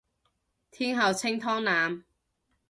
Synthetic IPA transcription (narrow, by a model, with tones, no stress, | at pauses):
t̪ʰiː˥nɦɐ˨˧wt͡sʰɪ˥ŋt̪ʰɔː˥ŋnaː˨˧m